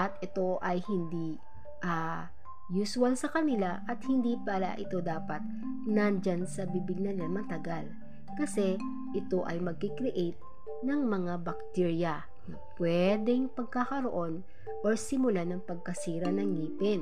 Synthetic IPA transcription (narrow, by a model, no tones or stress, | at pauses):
ʔɐt̪ʔɛt̪o̞ʔɐjhɪnd̪i | ʔa | juswɐlsɐkɐnɪlaʔɐt̪̚hɪnd̪ipala̰ʔɪt̪o̞d̪aːpɐt̪̚ | nand͡ʒansɐbibɪɡ̚nɐnɪɐmɐt̪ɐɡal | kɐsɛ | ʔɪt̪o̞ʔɐjmɐɡ̚kikɾɪʔejt̪̚ | nɐŋmɐŋabɐk̚t̪iɹjɐ | nɐpwɛd̪ɛŋpɐɡ̚kakɐɾoʔo̞n | ʔoɹsɪmʊlanɐŋpɐɡ̚kɐsiːɾɐnɐŋliːpɛn